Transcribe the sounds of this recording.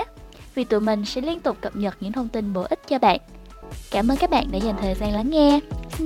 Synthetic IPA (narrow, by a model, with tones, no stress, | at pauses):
vi˨˩t̪ṵ˧˨˩mï˨˩ŋ̟sɛ̰˧˥li˧ənt̪ʊ˨˩k͡p̚kə˨˩p̚ɲə˨˩t̚ɲɨ̰˧˥ŋt̪ʰə˧wŋ͡mt̪ï˧nɓo˧˩ʔï˦˥t̟̚t͡ɕɔ˧ɓa̰ː˧˨nʔ | kaː˧˩mʔəː˧nkaː˦˥k̚ɓa̰ː˧˨nɗḛ˧˩za˨˩ŋ̟t̪ʰəː˨˩jzaː˧nla˨˦ŋŋɛ˧